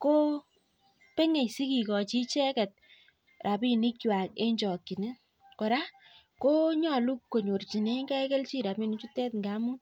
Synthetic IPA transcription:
ko˦ | pe˦ŋe˨jsi˦ki˨kɔ˨t͡ʃi˦t͡ʃɛ˦kɛ˨t̚ | rʔa˨pi˦ni˦kwa˨ke˦ɲt͡ʃɔ˨ki˨ne˦ | kɔ˨ɾa˦ | ko˦ɲɔ˨lu˦kːo˨ɲo˨rt͡ʃi˨ne˦ŋɡɛ˦kɛ˦lt͡ʃi˦ɾa˨pmi˦ni˦t͡ʃu˦tɛ˦tŋɡa˦mu˦n

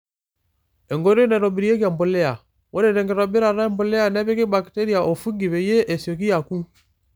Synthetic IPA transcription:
ɛ˨ŋɡɔ˨˦ɾɔ˦nɛ˨ɾɔ˨bi˨ɾi˨jɛ˦k̬a˨mbɔ˨lɛ˦a˨ | wɔ˦ɾɛ˨ɾɛ˨ŋɡɛ˨ɾɔ˨bɛ˦ɾa˨ɾa˦ɛ˦mbɔ˨lɛ˦a˨nɛ˦βɛ˦kɛ˦ba˨ki˨tɛ˦ɾi˨a˨ʔɔ˨fu˦ŋɡi˨βɛ˨jɛ˦ʔɛ˨si˨ɔ˨ki˦a˨ku˦

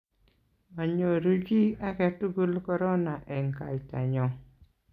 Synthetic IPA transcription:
ma˨ɲo˨ɾu˦d͡ʒi˦a˦kɛ˨tu˦ɡu˦lkɔ˦ɾɔ˦na˨ʔɛ˨ŋka˨i˨ta̰˨ɲɔ˨

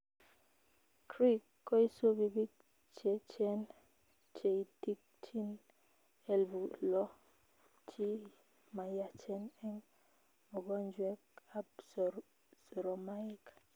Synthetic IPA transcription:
kɾi˦kːɔ˦i˦so˦bi˨bi˦ | t͡ʃe˨t͡ʃɛ˦n | t͡ʃe˨i˨ti˦k̚tʰi˦n | ɛ˦lbu˨lɔ˦ | t͡ʃi˦ | ma˨ja˨t͡ʃɛ˦nɛ˦ŋ | ɔ˨ɡɔ˦nd͡ʒwɛ˦ka˦bs | sɔ˨ɾɔ˨ma˦i˦k

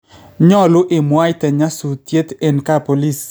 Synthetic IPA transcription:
ɲɔ˦˨lʊ˦ʔɪ˨mwa˦jt̪ɛ˨ɲa˦su˨t̪je˦t̪e˨nka˦po˨li˦˨s

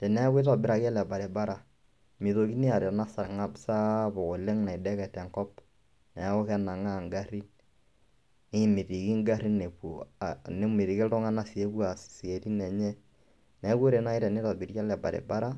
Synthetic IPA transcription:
tɛ˨nɛ˦kwe˦tɔ˨bɪ˦ɾa˨kɛ˦lɛ˨ba˨ɾe˨ba˦ɾa˨ | mɪ˨ðo˨ki˦ni˦a˨ɾɛ˨na˦sa˨ŋa˦bsa˦bo˨ko˨le˦ŋna˨i˨dɛ˦kɛ˨tɛ˨ŋkɔ˦p | nɛ˨˦ɔ˦kɛ˦na˨ŋa˦˨ŋɡa˦ɾi˦n | ne˦mɪ˨ɾi˨ki˦ŋɡa˦ɾi˦ne˨pu˨ne˦mɪ˨ɾɪ˨kɪ˦ltɔ˦ŋa˦na˦si˨e˦kwa˨ssi˨e˨ti˦nɛ˨ɲɛ˦ | nɛ˨˦ko˦ɾe˨na˦i˦tɛ˨ne˦tɔ˨bɪ˨ɾt͡ʃa˦lɛ˨ba̰˨ɾḛ˨ba˦ɾa˦

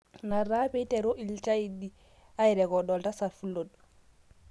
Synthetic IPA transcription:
na˨ɾa˦pɛ˦i˦tɛ˨ɾo˦ʔi˨lt͡ʃa˦i˨di˨ | a˦ɛ˨ɾɛ˨kɔ˨ɗɔ˨lta˦sa˨fu˦lo˨d

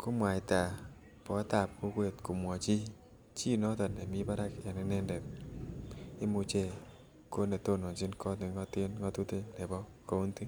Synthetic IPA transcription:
kʰo˦mwa˨jta˨ | pɔ˨˦ta˨p̚ku˦kwe˨tku˨mwɔ˨t͡ʃi˦ | t͡ʃi˦nɔ˦tɔ˨ne˨mi˦ba˦ɾa˦kja˨nɪ˦nɛ˦ndɛ˨p̚ | e˦mu˨t͡ʃe˦˨ | ko˦ne˨to˦no˨nd͡ʒi˦nkʰɔ˦tne˨ŋɔ˦tɪ˦nŋɔ˦tu˦te˦ne˨bɔ˦ | ko˦u˦nti˦

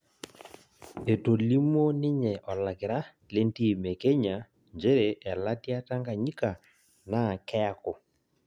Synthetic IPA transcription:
e˨to˨li˦m˦o˦nɪ˦ɲɛ˨ʔɔ˨la˨kɪ˨ɾa˦ | le˦n˦ti˦˨me˨ke˦ɲa˨ | nd͡ʒe˦ɾe˨ʔɛ˨la˦tja˦ta˦ŋɡa˨ɲi˦ka˨ | na˦˨kɛ˦a˦ko˨

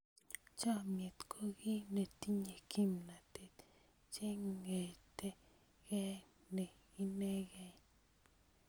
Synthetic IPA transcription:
t͡ʃa˦mje˨t̪kʰo˦ɡi˦ne˨t̪i˦ɲe˨ki˦mna˨t̪e˨t̪ | t͡ʃe˦ŋɡe˨t̪e˦ | ɡe˦ne˨ | i˦ne˦ɡe˦

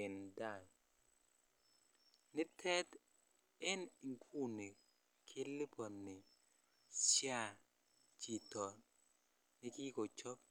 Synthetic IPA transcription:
ɪ˨nda˦˨j | nɪ˦tʰɛ˦t | ɛ˦ni˨ŋkʰu˦ni˨ | kʰɪ˦lɪ˦pɔ˨nːɪ˨ | sja˦˨ | t͡ʃi˨tɔ˨ | nɪ˦kɪ˦ko˨t͡ʃɔ˦p̚

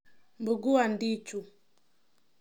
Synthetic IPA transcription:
mbu˨ɡu˦wa˨ndi˦t͡ʃu˨

